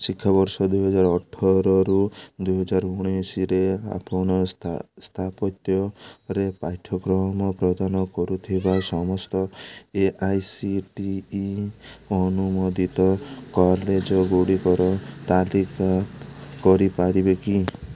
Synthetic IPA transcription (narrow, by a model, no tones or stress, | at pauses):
sikʰːabɔɾsɔd̪ujɦɔd͡ʒaɾɔʈʰːɔɾɔɾud̪ujɦɔd͡ʒaɾuɽ̃isiɾea̰pɔɽ̃ɔst̪ʰapɔt̪jɔɾepajʈʰɔɡɾɔɦmɔpɾɔd̪anɔkɔɾut̪ʰibasɔmɔst̪ɔeʔajsiʈiː | ɔnumod̪it̪ɔkɔɾled͡ʒɔɡoɽikɔɾɔt̪alikakɔɾipaɽibeki